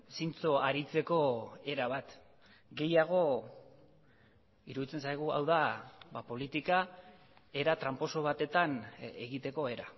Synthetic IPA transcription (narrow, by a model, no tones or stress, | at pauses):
sint͡so̞aɾit͡se̞ko̞e̞ɾaβ̞at̪ | ɡe̞jaɣ̞o̞ | iɾuðit͡se̞nsajɣ̞ua̰wðabapo̞lit̪ika | e̞ɾat̪ɾampo̞so̞βat̪e̞t̪aneɣit̪e̞ko̞e̞ɾa